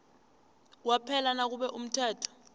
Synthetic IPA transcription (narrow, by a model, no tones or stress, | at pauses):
wapʰɛlanak̬uɓɛʔum̩tʰɛːtʰɔ̥